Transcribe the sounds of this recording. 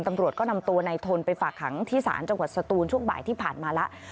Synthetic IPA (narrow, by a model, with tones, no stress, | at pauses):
mt̪a˧mɾu˨˩ət̪̚kɔː˥˩na˧mt̪u˧ɐna˧jt̪ʰo˧npa˧jfaː˨˩kʰːa̰˩˦ŋt̪ʰiː˦˥˩sa̰ː˩˦nt͡ɕa˧ŋwa˨˩t̪̚sa˧t̪uː˧nt͡ɕʰu˥˩əŋba̰ː˨˩jt̪ʰiː˥˩pʰaː˨˩nmaː˧lɛ˦˥ʔ